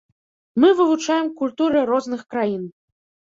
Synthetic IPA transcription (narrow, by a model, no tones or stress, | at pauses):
mɨvɨvut͡ʂajɛmkulʲt̪uɾɨɾɔznɨxkɾajin